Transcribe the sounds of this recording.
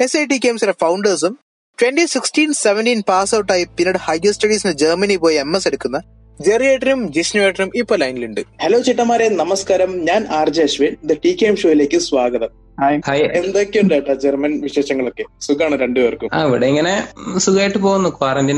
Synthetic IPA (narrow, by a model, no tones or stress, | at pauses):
esejʈikʲːeːmsɐɾɐfɐwɳɖɐrs̬um | ʈwenʈisiksʈiːnseʋenʈiːnpaːsɐwuʈːaːjipinːɐɽɨhɐjɡɐsʈɐɽiːsined͡ʑɐːrmɐnipo̞ːjiemːese̞ɽukːunːɐ | d͡ʑerijeːʈːɐɾumd͡ʑisnueːʈːɐrumipːoːlɐjniluɳɖɨheloːt͡ɕiʈːɐmaːɾenɐmɐskaːɾɐmɲaːnaːrd͡ʑeɐʂʋinind̪ɐʈikʲeːmʂoːjile̞ːkʲːɨsʋaːɡɐðɐm | ahajend̪okʲːejuɳɖaʈːɐd͡ʑermɐnʋiʂeːʂɐŋːɐɭokːe̞suɡaːɳɨɾe̞ɳɖɨʋɐrkːuma̰ːiʋiɽeiŋːɐnesuɡaːjiʈːɨpoːɣunːɐkwaːɾɐndin